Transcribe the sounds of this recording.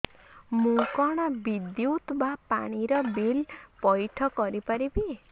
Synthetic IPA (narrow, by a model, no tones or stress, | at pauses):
mukɔɽ̃ʌbid̪jut̪bapa̰ɽ̃iɾʌbilpʌjʈʰʌkʌɾipʌɾibi